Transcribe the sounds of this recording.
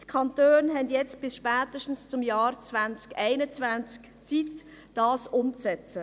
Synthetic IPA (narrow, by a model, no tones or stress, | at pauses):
tkʰɑntøːnɦɛndjɛt͡st̚b̥ɪsʃpæːt̪əʃtn̩st͡sʊmjɑːɾt͡svant͡skɛɪnət͡svænt͡sk | t͡sit | d̥ɑːsʊmt͡sɛt͡sə